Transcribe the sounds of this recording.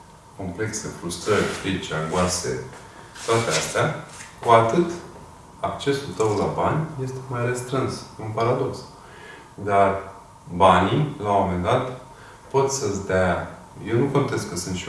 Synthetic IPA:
ko̞mple̞kse̞fɾust̪ɾəɾʲfɾit͡ʃaŋɡuase̞̰ | t̪oat̪east̪eakuat̪ɨt̪ | ak̚t͡ʃe̞sult̪əwlabanʲje̞st̪e̥majre̞st̪ɾɨnsɨnpaɾad̪o̞ks | d̪ar | banilawome̞nd̪at̪ | po̞t̪səsʲd̪ea | jewnukont̪e̞skːəsɨnt̪ʃi

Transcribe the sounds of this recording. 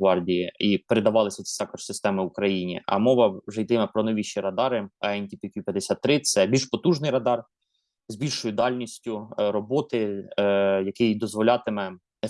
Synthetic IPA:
ʋɑrdʲijiipeɾed̪ɐʋɑlˠɪsʲɐt͡s̪ʲi̥t̪ɑkɔʃsɪst̪ɛmɪwʊkɾɐjinʲḭʔɐ̰mɔʋɐwʒɛjt̪ɪmɛpɾɔnɔʋʲiʃiɾɐd̪ɑɾɪɐɛnʲt̪ʲipʲitʲipʲjɐd̪esʲat̪ːɾɪt̪sɛbʲilʃpɔt̪uʒnɪjɾɐd̪ɑr | zʲbʲilʲʃɔjʊd̪ɑlʲnʲisʲtʲʊɾɔbɔt̪ɪ | jɐkɪjd̪ɔzʋɔlʲɑt̪ɪmɛnɛ

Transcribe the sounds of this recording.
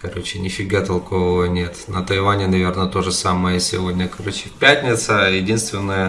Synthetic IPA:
kɐɾo̞t͡ɕɪnʲɪfʲɪɡat̪ɐlˠkovəvənʲet̪nət̪ɐjvanʲɪnɐvʲe̞rnət̪o̞ʐɨsamɨjəsʲɪ̰vo̞dʲnʲəkɐɾo̞t͡ɕɪfʲpʲætʲnʲɪt̪səjɪdʲinst̪vʲɪnːəjə

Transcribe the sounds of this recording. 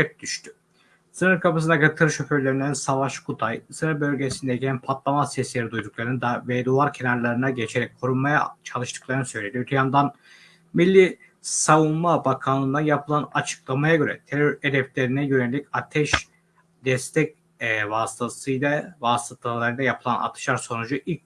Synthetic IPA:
ɛp̚d̪yʃt̪ʰy̥ | sɯnɯɾkʰapɯs̬ɯnd̪aɡøɾɛt̪ʰɯɾɯʃøføɾlʲeɾinænsavaʃkʰut̪ʰajsɯnɯɾbø̞lʲɟesind̪ɛjcʰænpʰat̪lˠamasɛslʲeɾid̪ujd̪uk̚lˠaɾɯnɯd̪avɛd̪uaɾcʰe̞naɾlˠaɾɯnaɟe̞t͡ʃʰe̞ɾɛc̚ʲkʰo̞ɾunmaja̰t͡ʃʰalˠɯʃt̪ʰɯ̥klˠaɾnɯsø̞jlʲe̞d̪iøt̪ʰyjand̪an | milʲːi | savunmabakʰanlˠɯnd̪ajapʰɯlˠana̰t͡ʃʰɯ̥klˠamajaɟø̞ɾɛ̰t̪ʰeɾøɾed̪ɛflʲe̞ɾinɛjø̞nelʲicat̪ʰɛʃ | d̪ɛst̪ʰɛc̚ː | vaːst̪ʰasɯjlʲavaːst̪ʰat̪ʰallˠaɾɯjd̪ˠajapʰɯlˠa̰na̰t̪ʰɯ̥ʃaɾso̞nud͡ʒuʔilʲ

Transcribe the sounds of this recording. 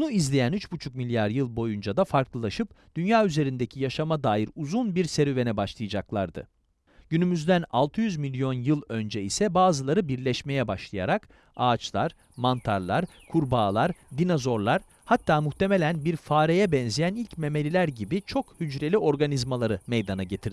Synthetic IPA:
bnuizlʲejænyt͡ʃbut͡ʃʰukmilʲjaɾjɯlˠbo̞jund͡ʒad̪afaɾklˠɯlˠaʃɯp̚d̪̥ynjaːyze̞ɾind̪ecʰijaʃamad̪aːjiɾuzunbiɾse̞ɾyve̞nɛbaʃlˠɯjad͡ʒaklˠa̰ɾd̪ɯ̰ | ɟ̥ynymyzd̪æna̰lˠt̪ʰɯjyzmilʲjo̞njɯlˠø̞nd͡ʒɛisɛbaːzɯlˠaɾɯbiɾlʲɛʃme̞jɛbaʃlˠaja̰ɾak | aːt͡ʃlˠaɾ | mant̪ʰaɾlˠaɾ | kʰuɾbaːlˠaɾd̪inazo̞ɾlˠaɾ̥ | hat̪ʰːaːmuht̪e̞me̞lʲænbiɾfaːɾejɛbɛnzijænilʲcme̞me̞lʲilʲæɾɟibit͡ʃʰo̞khyd͡ʒɾe̞lʲiʔo̞ɾɡanizmalˠaɾɯmejd̪anaɟe̞t̪ʰiɾ

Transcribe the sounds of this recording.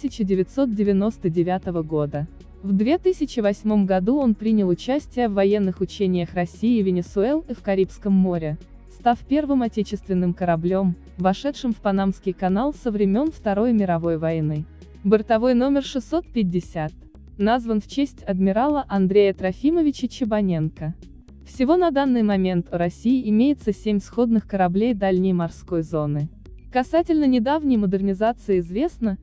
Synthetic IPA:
sʲɪt͡ɕɪdʲɪvʲɪt̪so̞t̪̚dʲɪvʲɪno̞st̪ədʲɪvʲat̪əvəɡo̞d̪ə | vd̪vʲe̞t̪ɨsʲɪt͡ɕɪvɐsʲmo̞mɡɐd̪uo̞npɾʲinʲɪlˠʊt͡ɕæsʲtʲɪjəvːɐjenːɨxʊt͡ɕenʲɪjəxrɐsʲijɪvʲɪnʲɪsʊɛlˠifkɐɾʲipskəmːo̞ɾʲɪ | st̪afpʲe̞rvɨmɐtʲet͡ɕɪst̪vʲɪnːɨmkəɾɐblʲo̞m | vɐʂɛt̪ʂɨmfpɐnamskʲɪjkɐnalˠsəvɾʲɪmʲo̞nft̪ɐɾo̞jmʲɪɾɐvo̞jvɐjnɨ | bɨrt̪ɐvo̞jno̞mʲɪrʂɨsːo̞t̪̚pʲɪdʲːɪsʲat̪̚ | nazvənft͡ɕesʲtʲɐd̪mʲɪɾalˠəʔɐnd̪ɾʲejət̪ɾɐfʲiməvʲɪt͡ɕət͡ɕɪbɐnʲe̞nkə | fsʲɪvo̞nɐd̪anːɨjmɐmʲe̞nt̪ʊɾɐsʲijɪɪmʲejɪt̪səsʲemʲsxo̞d̪nɨxkəɾɐblʲejd̪alʲnʲɪjmɐrsko̞jzo̞nɨ | kɐsatʲɪlʲnənʲɪd̪avnʲɪjməd̪ɨrnʲɪzat̪sɨɪɪzvʲe̞snə

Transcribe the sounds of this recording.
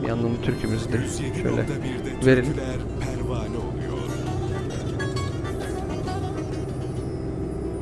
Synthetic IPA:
ja̰nːɯnt̪ʰyɾcʰemyzd̪ɪ | ʃø̰jlʲʔɛ̰ | veɾilʲ

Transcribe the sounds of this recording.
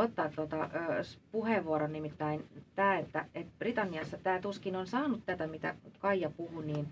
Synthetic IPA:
ot̪ːɑːt̪tːot̪ɑːspuheʋʋuoɾonnimit̪ːæint̪æːet̪ːæet̪b̥rit̪ɑnːiɑsːɑt̪æːt̪uskinonsɑːnut̪t̪æt̪æmit̪æ̰kɑijɑpuhuniːn

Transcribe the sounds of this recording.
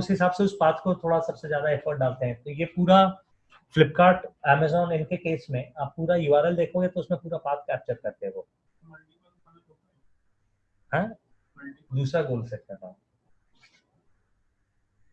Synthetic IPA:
ʊsɦɪsaːbseʊspaːt̪kot̪ʰoːɽasɐbsezjaːd̪aɛːfʰɔːɾʈ̚ɖaːlt̪eɦɛ̃t̪ojepuːɾa | flɪpkaːɾʈɛːmezɔːnɪnkekeːsmẽaːpːuːɾajʊʋaːɾəld̪eːkʰõːɡet̪oʊsmẽpuːɾapaːt̪̚kɛːp̚t͡ʃəɾkɐɾt̪eɦɛ̃ʋoː | ɦɛ̃ː | d̪uːsɾaɡoːlseɐɾã

